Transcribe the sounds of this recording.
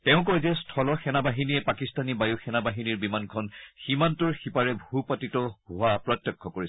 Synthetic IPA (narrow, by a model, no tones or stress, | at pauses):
tɛʊ̃k̬ɔjzɛstʰɔlɔxɛnabaɦinijɛpakistanibajuxɛnabaɦiniɹbimankʰɔnximantʊɹxipaɹɛbʱupatitɔhuapɹɔtjɔkʰːɔkoɹis